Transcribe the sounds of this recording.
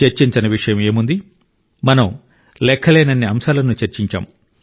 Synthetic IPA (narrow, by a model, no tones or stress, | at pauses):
ɐɾt͡ʃiɲt͡ʃɐnɐʋiʂɐjɐme̞ːmund̪i | mɐnɐm | lɛkʰːɐleːnɐnːiɐmʃaːlɐnut͡ʃɐɾt͡ʃiɲt͡ʃa̰ːm